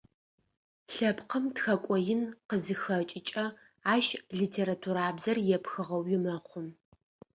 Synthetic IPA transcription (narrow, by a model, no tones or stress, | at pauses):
ɬɐpqəmtxɐkʷʼɔjɪnqəzɨxɐt͡ʃʼɪt͡ʃʼɐ | aːʃɮitʰeːɾatʰuɾaːbzɐrjɛpxɨʁɐwjɪmɐχʷʊm